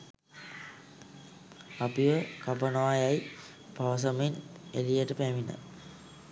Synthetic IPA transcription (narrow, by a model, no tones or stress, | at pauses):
apiʋəkapənoʋajaj | paʋɐs̬ɐmenelijəʈəpæʋinə̰